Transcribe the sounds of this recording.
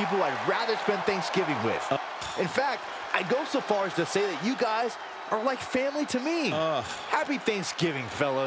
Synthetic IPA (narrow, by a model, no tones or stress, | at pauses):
ip̬l̩ˠaɪɹæðə˞spɛ̃nθæ̃ŋksɡ̥ɪvɪ̃ŋwɪ̰ð̥ | ɨ̃nfæk̚t̚ | ʔaɪɡoʊsoʊfɑɹɨz̥tɨseɪðɨt͡ʃɨɡaɪz | ʔə˞laɪkfæ̃mliɾɨmiʌ | hæpiθæ̃ŋksɡ̥ɪvɪ̃ŋfɛlˠoʊ